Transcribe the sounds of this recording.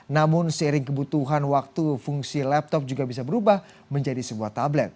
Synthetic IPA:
namʊnsəiɾɪŋkəbut̪uɦanwak̚t̪ufuŋsilɛp̚t̪ɔp̚d͡ʒuɡabis̬abəɾubah | məɲd͡ʒadisəbuaht̪ablɛt̪̚

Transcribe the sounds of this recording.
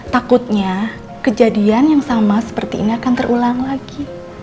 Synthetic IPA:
t̪akut̪̚ɲa | kəd͡ʒadianjaŋsamasə̥pərt̪iːniakant̪ərʔulaŋlaɡi

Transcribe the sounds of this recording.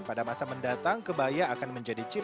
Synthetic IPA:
padamasaməndat̪aŋkəbajaːkanməɲd͡ʒadit͡ʃi

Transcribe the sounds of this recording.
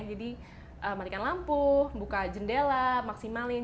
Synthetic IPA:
d͡ʒadi | ʔəmat̪ikanlampuhbukad͡ʒəndelamaksimalɪ

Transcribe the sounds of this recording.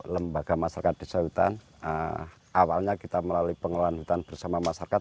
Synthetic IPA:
ləmbaɡ̥amasaɾakat̪̚d̥i̤səɦut̪a̰n | ə | ʔawalɲakit̪aməlaluipəŋəlanɦut̪anb̥ərsamamasaɾakat̪̚

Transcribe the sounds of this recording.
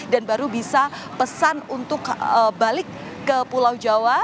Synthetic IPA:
danbaɾubisa | pəsanunt̪ʊkəbalɪkː | əpulawd͡ʒawa

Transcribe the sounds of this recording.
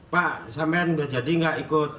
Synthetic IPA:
paʔsampɛnɡad͡ʒadiŋɡaʔikot̪̚

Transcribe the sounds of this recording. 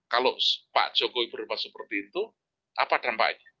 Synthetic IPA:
kalopa̰ʔd̥ʒ̥okoibəɾepasəpərt̪iːnt̪u | ʔapaɖ̥ampa̰ʔɲa

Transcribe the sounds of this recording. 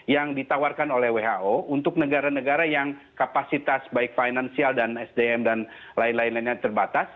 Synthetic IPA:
jaŋdit̪awarkanolɛhweɦaʔount̪ʊk̚nəɡaɾanəɡaɾajaŋkapasit̪asbaɪk̚fainansialdanɛsdeɛmdan | laɪnlainlainɲat̪ərbat̪as

